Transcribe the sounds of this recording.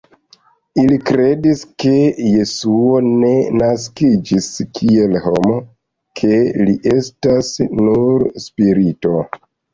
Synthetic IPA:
ilikɾe̞diske̞je̞suo̞ne̞naskid͡ʒiskʰie̞lho̞mo̞ | kʰe̞liʔe̞stasnuɾspiɾito̞

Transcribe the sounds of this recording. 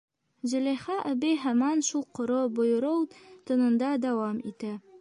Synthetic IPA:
zɘ̆lʲæjχɑʔæbiɦæmɑnʃulˠqŏɾobŏjɤ̆ɾɤwt̪ɤ̆nɤ̆nd̪ɑd̪æwɑmit̪ɘ

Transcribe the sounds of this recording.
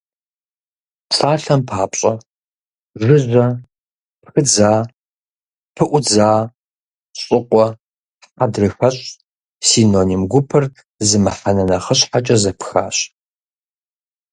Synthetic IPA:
ʂʰʼaːɬɐmpʰaːpʼɕʼɐ | ʒɨʑʷɐ | pxɨd͡zaː | pʰɨʔʷʊd͡zaː | ɕʼɪqʷʼɔ | ħadrɨxɐɕʼ | siːnonimɡʷʊpʰɨr | zɨmɨħɐnɐnɐχəɕħat͡ʃʼɐzɐpʰxa̰ːɕ

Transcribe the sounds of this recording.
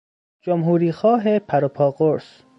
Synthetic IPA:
d͡ʒomɦuːɾiːxɒːɦepʰæɾopʰɒːɡoɾs

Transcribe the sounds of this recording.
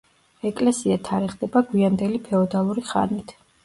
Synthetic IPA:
ɛkʼlɛsiat̪ʰaɾɛχd̪ɛbaɡwiand̪ɛlipʰɛɔd̪alˠuɾiχa̰nit̪ʰ

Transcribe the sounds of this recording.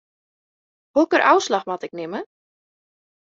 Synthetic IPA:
hokərʔa̰wslaxmatɪk̚nɪmə

